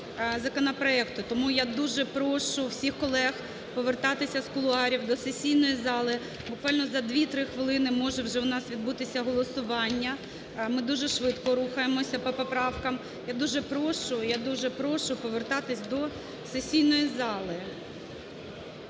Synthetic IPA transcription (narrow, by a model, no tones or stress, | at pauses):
zɐkɔnɐpɾɔɛkt̪ʊt̪ɔmujad̪uʒɛpɾɔʃʊwsʲixkɔlˠɛx | pɔʋert̪ɑt̪ɪsʲɐskʊlˠʊɑɾʲiwd̪ɔsesʲijnɔjizɑlˠɪ | bʊkʋɑlʲnɔzɐd̪ʋʲit̪ɾɪxʋɪlˠɪnɪmɔʒɛwʒɛwnɑsʋʲid̪but̪ɪsʲɐɦɔlˠɔsʊʋɑnʲːɐ | mɪd̪uʒɛʃʋɪt̪kɔɾuxɐjemɔsʲɐpɔpɔpɾɑwkɐm | jad̪uʒɛpɾɔʃʊjad̪uʒɛpɾɔʃʊpɔʋert̪ɑt̪ɪsʲd̪ɔ | sesʲijnɔjizɑlˠɪ